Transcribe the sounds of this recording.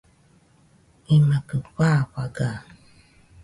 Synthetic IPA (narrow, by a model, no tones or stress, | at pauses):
imakəɸaɸaɡa